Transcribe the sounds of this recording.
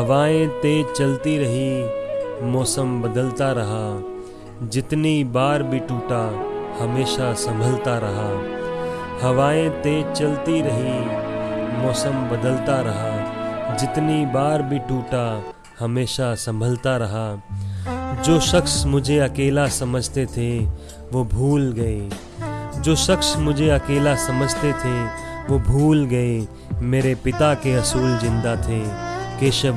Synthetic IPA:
ɦɐʋaːẽt̪et͡ʃɐlt̪iɾɐɦi | mɔːsəmbɐd̪əlt̪aɾɐɦa | d͡ʒɪt̪nibaːɾbʱiʈuːʈahɐmeːʃasɐ̃mbʱəlt̪aɾɐɦa | hɐʋaːẽt̪et͡ʃɐlt̪iɾɐɦi | mɔːsəmbɐd̪əlt̪aɾɐɦad͡ʒɪt̪nibaːɾbʱiʈuːʈa | həmeːʃasə̃mbʱəlt̪aɾɐɦa | d͡ʒoːʃəksmʊd͡ʒʱeɐkeːlasəməd͡ʒʱt̪et̪ʰe | ʋobʱuːlɡəe | d͡ʒoːʃəksmʊd͡ʒʱeɐkeːlasəməd͡ʒʱt̪et̪ʰeʋobʱuːlɡəe | meːɾepɪt̪akeɐsuːld͡ʒɪ̃nd̪at̪ʰekeːʃə

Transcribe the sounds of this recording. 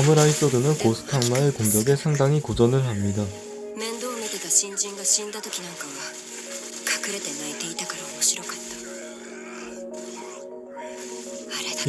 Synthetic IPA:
mɯɾais͈ʌdɯnɯnkosʰɯ̥tʰaŋmaɯkoŋɡjʌɡe̞sʰaŋdaŋikod͡ʑʌnɯɭɦamɲida | mend̪oɯneted̪oɕind͡ʑinɡaɕind̪ad̪okiɲaŋkɯŋɡa | kakʰɯɾet̪enet̪eit̪ʰaɡɯɾooɕiɾok͈ʰat̚t͈ḁ | aɾe

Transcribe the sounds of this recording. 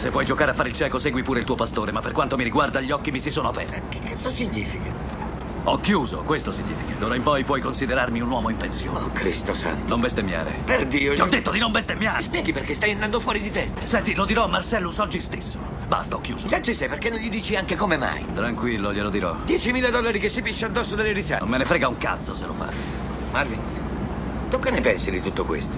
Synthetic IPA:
sevːɔjd͡ʒokaːɾeafːaɾeɪilt͡ʃɛːkosɛːɡwipuːɾeilt̪uːopast̪oːɾemapːerkwant̪omiɾiɡward̪aʎːiɔkːimisisoːnoapɛ̰rt̪kekːansosiɲːiːfika | ɔkːjuːzo̰kwest̪osiɲːḭːfikad̪oːɾaimpɔjpwɔjkonsid̪eɾarmiunwɔːmoimpensjo̰ːnkɾist̪osa̰nt̪nombest̪emːja̰ːɾḛperd̪iːoiɔd̪ːet̪ːod̪inombest̪emːjaːɾspjɛːɡiperkest̪ajand̪and̪ofwɔːɾid̪it̪ɛst̪sɛnt̪ilod̪iɾɔamːarsɛlːusɔd͡ʒːist̪esːo | ba̰st̪ɔkːjuːzokat͡ʃ̪isɛjperkenːõɲʎid̪iːt͡ʃiaŋkekomema̰jt̪ɾaŋkwilːoʎelod̪iɾɔd̪jɛt͡ʃimiːlad̪ɔlːaɾikesːipiʃːead̪ːɔsːod̪elːeɾisa̰mːenefɾɛːɡauŋka̰t̪sːosḛlo̰fa̰ | maɾvḭn | t̪ukːanepɛnsid̪it̪ut̪ːokwḛst̪o̥

